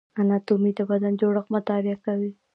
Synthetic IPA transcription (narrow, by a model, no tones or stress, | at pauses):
anat̪umit̪abad̪and͡ʒoɽəxmʊt̪ɑɾɪjakawi